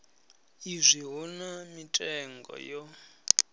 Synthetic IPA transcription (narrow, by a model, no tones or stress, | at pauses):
izʷiɦɔnamitʼɛŋɡɔ̰jɔ